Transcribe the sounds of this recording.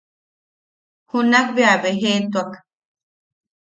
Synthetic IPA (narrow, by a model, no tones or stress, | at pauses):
hunak̚beaβeɦet̪uak